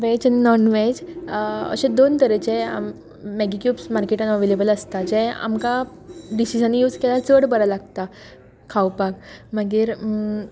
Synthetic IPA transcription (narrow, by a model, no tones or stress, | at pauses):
ʋed͡ʑaninɔnʋed͡ʑə̰ɕẽd̪ont̪əɾed͡ʑea̰mː | eɡikjuːpsmaɾkeʈənəʋelebələst̪ad͡ʑɛ̃a̰mka | ɖisisãnːijuːd͡zkelat͡səɽbəɾalaɡ̚t̪a | kʰːawpak̚məɡiɾ